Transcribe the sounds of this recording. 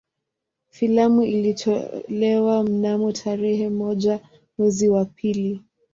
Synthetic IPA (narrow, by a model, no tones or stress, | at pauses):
filamuilitʰɔlɛwam̩namutʰaɾɛhɛmɔʄa | mwɛziwapʰili